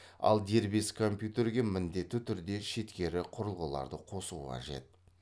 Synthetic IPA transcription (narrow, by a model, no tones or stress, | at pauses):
ɑ̰lˠd̪e̞ɾbe̞skʰo̞mpjut̪e̞ɾɡʲe̞mɪnd̪e̞t̪ːɪt̪ʰʏɾd̪e̞ʃe̞t̪kʲe̞ɾɪqʰʊɾəlˠʁəlˠɑ̰ɾd̪əqʰo̞sṵqʰɑ̰ʒe̞̰t̪̚